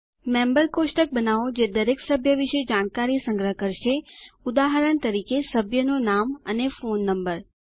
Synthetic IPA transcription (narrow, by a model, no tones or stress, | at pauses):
membəɾkosʈək̚bənaʋod͡ʒed̪əɾeksəbʱjəʋiʃed͡ʒaɽ̃kaɾisəŋɡɾəɦəkəɾʃeud̪aɦəɾəɳt̪əɾikesəbʱjənonamənefonːəmbəɾ